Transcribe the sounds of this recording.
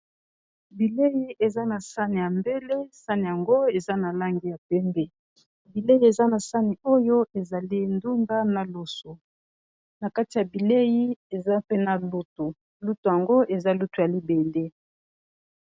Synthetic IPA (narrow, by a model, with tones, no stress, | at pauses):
bi˨le˦ji˦ʔe˨za˦na˨sa˦ni˨ja˨mbe˦le˦sa˦ni˨ja˨ŋɡo˦e˨za˦na˨la˦ŋɡi˨ja˨pɛ˦mbɛ˦ | bi˨le˦ji˦e˨za˦na˨sa˦ni˨o˦jo˦e˨za˨li˦ndu˦ŋda˦na˨lo˨so˨ | na˨ka˦ti˨a˨bi˨le˦ji˦e˨za˦pe˦na˨lu˦to˨ | lu˦tu˨ja˨ŋɡo˦ʔe˨za˦lu˦tu˨ja˨li˦be˨le˦